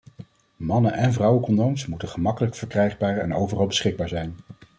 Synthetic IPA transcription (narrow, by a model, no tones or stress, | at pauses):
mɑnənʔɛnvrʌwəkɔndowmsmutəχəmɑkələkfəɹkrɛjχbaːɹɛnowvərɑlˠbəsχɪɡ̚baːɹzɛjn